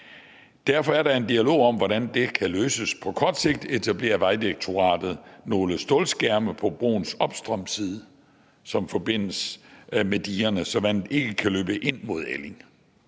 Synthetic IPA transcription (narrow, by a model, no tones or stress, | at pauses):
d̥æɐfɒ̽æɐɾɑ̈e̝nd̥iælo̝̰ːɒ̽m̰ʋɒɾænd̥e̝kʰæløːsəspʰɒ̽kʰɒd̥se̝ɡ̥̚d̥e̝t͡sʰæb̥le̝̰ːɐʋɑ̈ɪd̥iʁeɡ̥̚t͡sʰo̝ʁɑ̰̈ːd̥ð̞̩ˠno̝ːləsd̥oːlsɡ̥æɐməpʰɒ̽b̥ʁo̝̰ːn̩sɒ̽b̥sd̥ʁɒm̰siːð̞ˠə | sɒ̽mfɒ̽b̥e̝n̰əsmed̥iːɐnəsɒ̽ʋæn̰ð̩e̝ɡ̥əkʰæløːb̥əʔe̝n̰mo̝ð̞ˠele̝ŋ